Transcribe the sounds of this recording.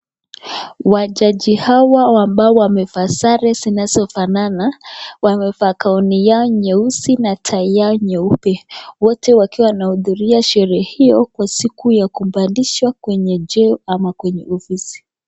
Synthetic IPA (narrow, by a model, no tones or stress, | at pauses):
waʄaʄihawawambaɔwamɛfasaɾɛzinazɔfananawamɛfakaɔnijaɔɲɛusinatʰaijaɔɲɛupɛwɔtɛwakiwanahuðuɾiaʃɛɾɛːhijɔkwasikujakum̩baliʃwakwɛɲɛd͡ʒɛɔamakwɛɲɛ̰ʔɔfisi̥